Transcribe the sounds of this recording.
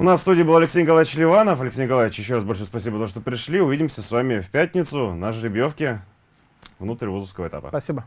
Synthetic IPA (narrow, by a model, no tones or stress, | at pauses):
ʊnasst̪udʲɪjbɨlˠɐlʲɪksʲejnʲɪkɐlˠavɪt͡ɕlʲɪvanəfɐlʲɪksʲejnɪkɐlˠavʲɪt͡ɕjɪɕːoasbolʲʂɨjʊspɐsʲibəpt̪oʂt̪opɾʲɪʂlʲiʊvʲidʲɪmsʲəsvamʲɪfpʲæt̚ʲnʲɪt̪sʊnaʂɾʲɪbʲjofkʲɪ | vnut̪ɾʲvozəfskəvəɛt̪a̰pə̰pɐsʲibə